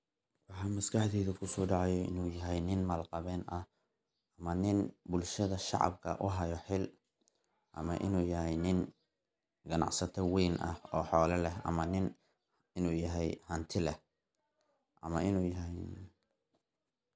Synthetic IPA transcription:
wɑħɑmɐskʰɑħd̪ɛːðɐkʰʊsɔːɖɑʕɑjɔɪ̰nuːjɐɦɛjnɪnmɐlqɑβɛːnʔɐh | ɐmɐnɪnbʊlʃɐðɐʃɑ̰ʕɑ̰bkʰɐ̰ʔʊɦɐjɔħɪl | ʔɐ̰mɐʔɪnuːjɐɦɛjnɪn | ɡɐnɑ̰ʕsɐt̪ʰɔwɛjnʔɐhɔːħɔːlɐlɛɦʔɐ̰mɐnɪn | ɪnuːjɐɦɛjhɐnt̪ʰɪlɛh | ʔɐmɐʔɪnuːjɦɛj

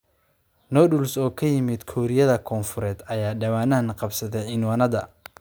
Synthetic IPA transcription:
nɔːɖʊlsɔːkʰɐjɪmɪd̪kʰɔːɾɪjɐðɐkʰɔːnfʊɾɛːd̪ɐjaːɖɐwaːnaːnqɑbsɐðɛjʕɪnwɐnɐðɐ

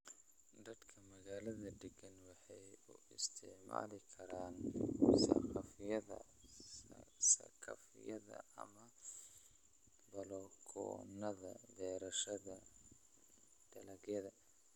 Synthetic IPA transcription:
d̪ɐd̪kʰɐmɐɣaːlɐðɐd̪ɛɡɐnwɑħɑjʊɪst̪ʰɪʕma̰ːlɪkʰɐɾaːnsɐ̰qʰɑfɪjɐðɐ̰ | sɐ̰kʰɐ̰fɪ̰jɐðɐ̰ɐ̰mɐ | bɐlɔkʰɔ̰nɐðɐd̪ɛːɾɐʃɐðɐ | d̪̥ɐlɐɣjɐðɐ

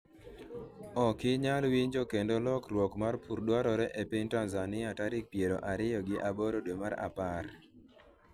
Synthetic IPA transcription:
ɔkɪɲalwiɲd͡ʒokendolɔkɾwɔkmarpʰuɾdwaɾɔɾɛʔepɪɲtanzanɪataɾɪk̚pjeɾo̰ʔaɾɪjɔɡɪʔaboɾodwemaɾa̰paɾ

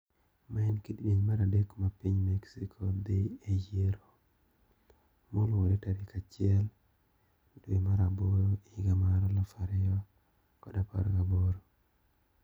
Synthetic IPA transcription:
maɛnkiddiɲmaɾadekmapiɲmɛksikʰɔd̪eejeɾo | molwodetaɾikʰat͡ʃɪɛl | dwimaɾaboɾoiɡamaɾɔlɔfaɾɛɔ | kɔdapa̰ɾaboɾo

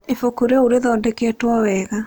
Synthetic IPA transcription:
efokoɾeoɾeðɔːndɛkɛtwɔwɛːɣa

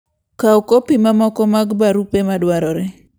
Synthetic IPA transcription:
kaokopimamɔkɔmaɡbaɾupemadwaɾɔɾɛ

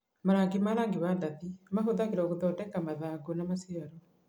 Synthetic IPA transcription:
maɾaːŋɡemaɾaŋɡewandaðimaɦoðaɣeɾɔɣoðɔːdɛkamaðaːɡonamasiaɾɔ

